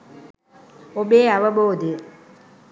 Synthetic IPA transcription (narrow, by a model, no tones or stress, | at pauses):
obeːɐʋɐboːd̪i